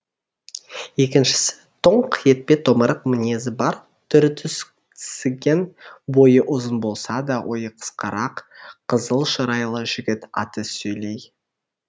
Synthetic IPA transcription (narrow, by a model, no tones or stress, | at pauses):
je̞k̬ʲɪnʃɪ̥sɪ̥ | t̪ʰoɴqʰje̞t̪̚pe̞t̪ʰoməɾəqmɪne̞zɪbɑɾ | t̪ʰʏɾt̪ʰʏs | sɡʲe̞nbo̞jəʔʊzənbo̞lˠsɑd̪ɑwʔo̞jəqʰə̥sqəɾɑqqʰəzəlˠʃɑɾɑjlˠəʒɪɡʲɪt̪ɑ̰t̪əsɵjle̞j